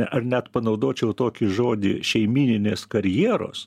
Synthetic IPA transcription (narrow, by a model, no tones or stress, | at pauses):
ɛʔɐrnʲɛt̪pɐnɐʊd̪oːt͡ʃʲɛʊt̪oːkʲɪʒoːd̪ʲɪ̰ʃʲɛɪmʲiːnʲɪnʲeːskɐɾʲjiɛɾo̰ːs